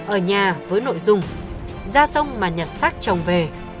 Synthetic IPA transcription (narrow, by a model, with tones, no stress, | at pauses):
ʔəː˧˩ɲaː˨˩vəː˨˦jno̰˧˨jzʊ˨˩ŋ͡m | zaː˧sə˧wŋ͡mmaː˨˩ɲə˨˩t̚sa˦˥k̚t͡ɕə˨˩wŋ͡mve˨˩